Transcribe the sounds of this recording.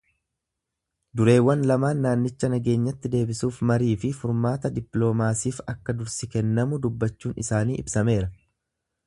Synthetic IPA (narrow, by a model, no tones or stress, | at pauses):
d̪ʊɾe̞ːwːɐnlɐmaːnːaːnːɪt͡ʃːɐnɐɡe̞ːɲːɐt̪ːɪd̪e̞ːbɪsuːfmɐɾiːfɪfʊɾmaːt̪ɐd̪ɪplo̞ːmaːsiːfɐkːɐd̪ʊɾsɪkɛnːɐmʊd̪ʊbːɐt͡ʃːuːnʔɪsaːniːʔɪbsɐme̞ːɾɐ